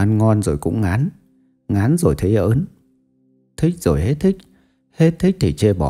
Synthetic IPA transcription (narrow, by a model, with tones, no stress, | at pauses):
a˨˦nŋɔ˧nzo˨˩jkʊ̰˧˥ŋ͡mŋaː˨˦n | ŋaː˨˦nzo˨˩jt̪ʰə˨˦jʔəː˨˦n | t̪ʰï˦˥k̚z̥o˨˩jhe˦˥t̚t̪ʰï˦˥k̚ | he˦˥t̚t̪ʰi˦˥k̚t̪ʰi˨˩t͡ɕe˧ɓɔ̰˧˩